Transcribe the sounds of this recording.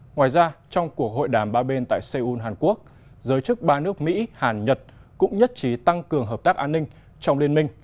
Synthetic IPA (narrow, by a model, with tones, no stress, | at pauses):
ŋwaː˨˩jzaː˧t͡ɕɔ˧wŋ͡mku˨˩ək̚ho̰˧˨jɗaː˨˩mɓaː˧ɓe˧nt̪a̰ː˧˨jse˧ʔu˧nɦaː˨˩nku˦˥ək̚ | zəː˨˦jt͡ɕɨ˦˥k̚ɓaː˧nɨ˦˥ək̚mḭ˧˥haː˨˩nɲə˨˩t̚kʊ̰˧˥ŋ͡mɲə˦˥t̚t͡ɕi˨˦t̪a˧ŋkɨ˨˩əŋɦəː˨˩p̚t̪aː˦˥k̚ʔaː˧nːï˧ŋ̟ | t͡ɕɔ˧wŋ͡mli˧ənmï˧ŋ̟